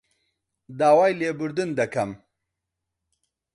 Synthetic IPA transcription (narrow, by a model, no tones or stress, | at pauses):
d̪aːwajlebʊɾd̪und̪ɐkʰam